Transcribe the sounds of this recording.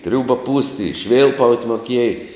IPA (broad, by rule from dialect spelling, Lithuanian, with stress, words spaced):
ˈtʲrʲuːbɐ puːsʲtʲ ɪ ˈʃʲʋʲɪlˠpɐʊtʲ moːˈkʲiɛj